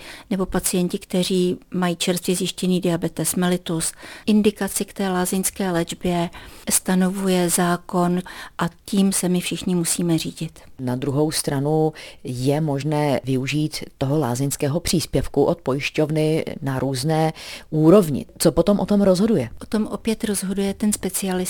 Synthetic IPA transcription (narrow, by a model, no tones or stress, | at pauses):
nɛbo̞pat͡sɪjɛɲcɪkt̪ɛr̝iːmajiːt͡ʃɛɾst̪vɪzjɪʃcɛniːdɪabɛt̪ɛsmɛlɪt̪usʔɪndɪkat͡sɪkt̪ɛːlaːzɪnskɛːlɛd͡ʒbjɛst̪ano̞vujɛzaːko̞nʔaciːmsɛmɪfʃɪxɲɪmusiːmɛriːɟɪt̪nad̪ɾuɦo̞wst̪ɾanujɛmo̞ʒnɛːvɪuʒiːt̪ːoɦola̰ːzɪnskɛːɦo̞pr̝̥iːspjɛfkuʔot̪̚pojɪʃcovnɪnaɾuːznɛːʔuːɾo̞vɲɪ̰t͡sopot̪omʔot̪omɾozɦodujɛʔot̪o̞mʔopjɛt̪ɾo̞zɦo̞dujɛt̪ɛnspɛt͡sɪalɪ